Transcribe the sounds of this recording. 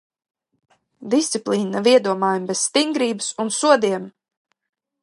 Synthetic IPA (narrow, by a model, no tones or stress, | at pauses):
d̪ist̪siplˠiːnaviɛd̪uɔmaːjumbesst̪iŋɡɾiːbɨsunsuɔd̪iɛm